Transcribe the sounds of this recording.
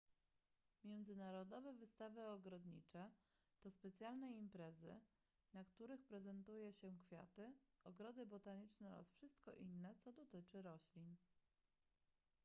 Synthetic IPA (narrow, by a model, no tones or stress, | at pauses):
mʲjɛnd̪zɘnaɾɔd̪ɔvɛvɘst̪avɘɔɡɾɔd̪ɲḭt͡ʂɛt̪ɔspɛt̪sʲjalnɛimpɾɛzɘ̰ | nakt̪uɾɘxpɾɛzɛnt̪ujɛɕɛkfʲja̰t̪ɘɔɡɾɔd̪ɘbɔt̪aɲit͡ʂnɛɾa̰sfʂɘst̪kɔʔinːɛt̪sɔd̪ɔt̪ɘt͡ʂɘɾɔɕlʲin